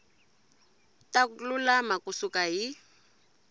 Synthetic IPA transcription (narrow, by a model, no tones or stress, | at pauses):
talulamakusukʼaɦi